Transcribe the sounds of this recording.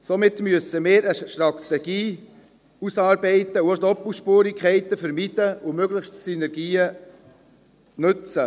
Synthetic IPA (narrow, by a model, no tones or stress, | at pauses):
somɪt̪myəsəmɪːɾəʃtɾɑt̪ɛɡ̥iː | usɑːɾbɛɪtəuodɔpːuʃpuːɾikʰχɛɪt̪əfəɾmiːd̥əʊmøɡləxʃtsynɛɾɡiːə | nɵt͡sə